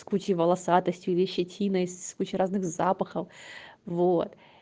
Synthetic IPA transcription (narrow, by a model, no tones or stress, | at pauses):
skut͡ɕɪvəlˠɐsat̪əsʲtʲjʊilʲɪɕːɪtʲʰinəskut͡ɕɪɾaznɨxzapəxəfvot̪